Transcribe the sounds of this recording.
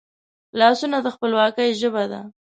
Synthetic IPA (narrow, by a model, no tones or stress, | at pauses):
lɑsunad̪əxpəlwɑkəjʒəbad̪a̰